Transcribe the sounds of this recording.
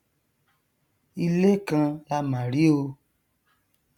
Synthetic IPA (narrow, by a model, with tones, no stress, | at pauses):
i˧le˦kã˧la˧mã˨ɾi˦o˧